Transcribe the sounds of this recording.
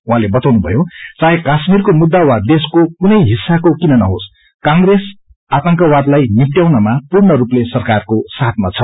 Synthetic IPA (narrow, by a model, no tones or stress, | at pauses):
ũɦãlebʌt̪awnubʱʌ̰jot͡sãɦẽkasmirkomud̪ːawad̪eskokunʌjɦisːakokinʌnʌɦos | kaŋɡres | at̪ʌŋkʌwad̪lajnipʈjawnʌmapurɳʌɾuplesʌrkarkosat̪̚ʰmat͡sʰʌ